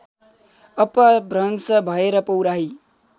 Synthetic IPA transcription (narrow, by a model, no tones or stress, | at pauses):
ʌpʌbrʌnsʌbʱʌeɾʌpʌwɾaɦi